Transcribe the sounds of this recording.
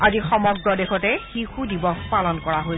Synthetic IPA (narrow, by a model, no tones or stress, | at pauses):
azixɔmɔɡɹɔdexɔtɛxixudibɔpalɔnkɔɹaɦoj